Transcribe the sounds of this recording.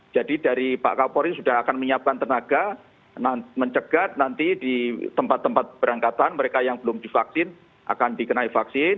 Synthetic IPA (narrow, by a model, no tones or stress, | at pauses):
d͡ʒ̥adidaɾipa̰ʔkapɔɾisudahakanməɲiap̚kant̪ərnaɡ̥a | naməɲt͡ʃəɡ̥at̪̚nant̪idit̪əmpat̪ːəmpat̪̚b̥əɾaŋkat̪anməɾekajaŋbəlʊmdifak̚sɪn | ʔa̰kandikənaifaksɪn